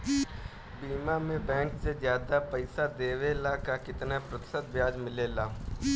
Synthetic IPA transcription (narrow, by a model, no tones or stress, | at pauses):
biːmamẽbɛ̃ːŋksezjaːd̪apɐɪsad̪eːʋelakakɪt̪napɾət̪ɪ̥sət̪̚bjaːd͡ʒmɪleːlaː